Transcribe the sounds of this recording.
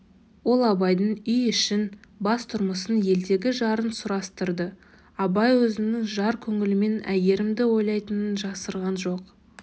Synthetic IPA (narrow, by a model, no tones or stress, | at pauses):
wo̞lˠɑbɑjd̪əɴʏjʏʃɪnbɑst̪ʰʊɾməsənje̞ld̪e̞ɡʲɪʒɑɾənsʊɾɑst̪əɾd̪ə | ɑbɑjwɵzɪnɪŋʒɑɾkʲʰɵŋɪlɪme̞næje̞ɾɪmd̪ɪwo̞jlˠɑjt̪ənənʒɑsəɾʁɑnʒo̞q